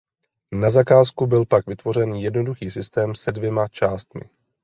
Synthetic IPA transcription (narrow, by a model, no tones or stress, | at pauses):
nazakaːskubɪlpakvɪt̪vo̞r̝ɛnjɛdno̞duxiːsɪst̪ɛːmsɛdvjɛmat͡ʃaːst̪mɪ̰